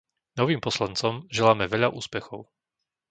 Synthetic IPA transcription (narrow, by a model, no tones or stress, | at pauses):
nɔʋiːmpɔslant͡sɔmʒɛlaːmɛʋɛʎaʔṵːspɛxɔʊ